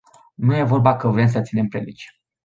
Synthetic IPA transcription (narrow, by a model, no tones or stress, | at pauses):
nuje̞vo̞rbakəvɾems̬ət̪sine̞mpɾelḭt͡ʃ